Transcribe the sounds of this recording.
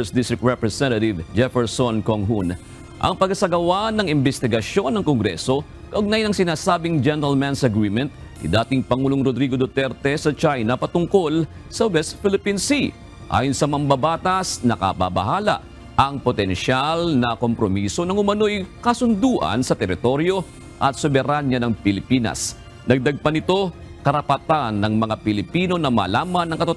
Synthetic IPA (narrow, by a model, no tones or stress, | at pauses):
sd̪ist̪ɹɪk̚ɹɛpɹɛsɛnɐt̪ɪvd͡ʒɛfɛɹsonkoŋɦun | ʔɐ̰ŋpɐɡɐsɐɡɐwanɐŋɪmbɛst̪ɪɡɐso̞nːɐŋkoŋɡɾɛ̰so̞ | kɐʔʊɡ̚najnɐŋsɪnaːsaːbɪŋd͡ʒɛnɛɾɐlmansɐɡɾiːmɛnt̪̚ | nḭd̪aːt̪ɪŋpɐŋuːloŋɾod̪ɾiɡod̪ot̪ɛɾt̪ɛsɐt͡ʃajnɐpɐt̪ʊŋko̞l | sɐwɛst̪̚fɪlɪpinsi | ʔa̰ːjonsɐmɐmbɐbaːt̪asnɐkɐ̰ba̰bɐ̰haːlɐ̰ʔ | ʔɐŋpot̪ɛnʃalnɐko̞mpɾomiːso̞nɐŋʊmɐno̞jkɐsʊnd̪uːʔɐ̰nsɐt̪ɛɾɪt̪o̞ɾjo̞ | ʔɐt̪sobɛɾanjɐnɐŋpɪlɪpiːnɐ̰s | nɐɡ̚d̪ɐɡ̚pɐnɪt̪o̞ | kɐɾɐpɐt̪anːɐŋmɐŋapɪlɪpiːno̞nɐmɐ̰laːmɐnːɐŋkɐt̪ot̪ː